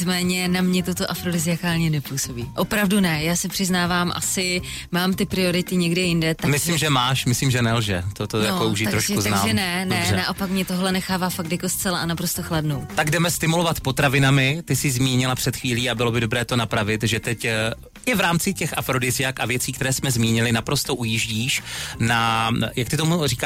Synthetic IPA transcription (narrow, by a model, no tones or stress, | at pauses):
t͡smɛːɲɛnamɲɛt̪ot̪o̞ʔafɾo̞dɪzɪakaːlɲɛnɛpuːso̞biːʔo̞pɾavdunɛjaːsɛpr̥ɪznaːvaːmʔa̰sɪ | maːmt̪ɪpɾɪo̞ɾɪt̪ɪɲɛɡdɛjɪndɛt̪amɪssimʒɛmaːʃmɪslimʒɛnɛlʒɛt̪ot̪ojakouʒɪt̪aɾoʃkuzanaːmɛnɛnɛɛnaʔo̞pakmɲɛt̪oɦlɛnɛxaːvaːfak̚t̪jakost͡sɛlaʔanapɾost̪oxladnowt̪aɡdɛmɛst̪ɪmulo̞vat̪po̞t̪ɾavɪnamɪt̪ɪsɪzmiːɲɪlapr̝̥ɛt̪xviːliːabɪlo̞bɪdo̞bɾɛːt̪o̞napɾavɪt̪ʒɛt̪ɛc | ʔɪvɾaːmt͡sɪcɛxʔafɾo̞dɪzɪakavjɛt͡siːkt̪ɛɾɛːsmɛzmiːɲɪlɪnapɾo̞st̪oʔujɪʒɟiːʃnajakt̪ɪt̪o̞muriːka